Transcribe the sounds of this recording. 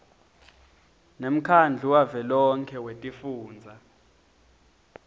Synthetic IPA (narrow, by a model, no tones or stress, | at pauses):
nem̩kʰand͡ɮʱuwavɛlɔŋkʰɛwetʼifuːnd͡zʱa